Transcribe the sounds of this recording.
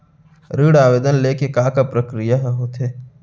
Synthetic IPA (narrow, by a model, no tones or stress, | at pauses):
ɾiːɽaːʋeːd̪ənleːkekaːkapɾəkɾijaɦɛɦot̪eː